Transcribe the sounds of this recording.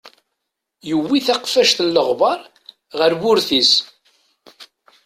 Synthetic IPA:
jəwːiθæqfæʃθəlːəʁbɑɾˤ | ʁəɾbʊɾθis

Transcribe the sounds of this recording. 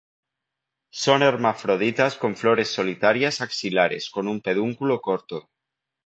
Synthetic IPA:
soneɾmafɾoð̞it̪asko̞ɱfloɾe̞sːo̞lit̪aɾjasaksilaɾe̞̰sko̞numpeðuŋkulokoɾt̪o

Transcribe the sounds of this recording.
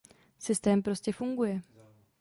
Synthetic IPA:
sɪst̪ɛːmpɾo̞scɛfuŋɡujɛ

